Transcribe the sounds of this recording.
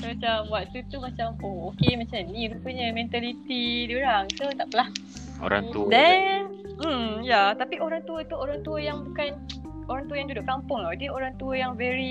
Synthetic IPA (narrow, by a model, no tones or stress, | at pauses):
mat͡ʃamwaʔt̪ut̪umat͡ʃamookemat͡ʃanĩɾupəɲə̃mɛ̃nt̪alit̪idioɾaŋt̪ut̪aʔpəlah | o̰ɾa̰ŋt̪udɛn | m̩jat̪apiʔoɾaŋt̪uət̪uoɾaŋt̪uəjaŋbukan | oɾaŋt̪uəjaŋdudʊʔkampʊŋadioɾaŋt̪uəjaŋvɛɾi